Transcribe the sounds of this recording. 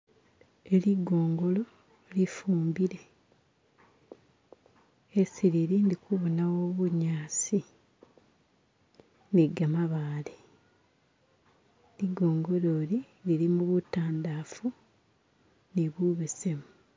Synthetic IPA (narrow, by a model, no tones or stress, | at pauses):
eliɡo̞ːŋɡo̞lo̞ | lifuːmbiɾe̞ | esiɾiɾiːndikuβonawo̞ːβuɲaːsi | niɡamaβaːle | liɡo̞ːŋɡo̞lo̞ːli | liɾimuβutaːndaːfu | niβuβesemu